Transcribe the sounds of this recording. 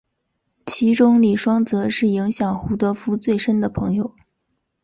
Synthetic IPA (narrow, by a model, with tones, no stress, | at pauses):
t͡ɕʰi˧˥ʈ͡ʂʊ˥ŋli˨˩ʂwɑ˥ŋt͡sɤ˧˥ʂɻ̩˥˩i˧˥ŋɕjɑ˨˩ŋxu˧˥t̪ɤ˧˥fu˥t͡swe˥˩ɪʂə˥nd̪ə˨pʰɤ˧˥ŋjo˧ʊ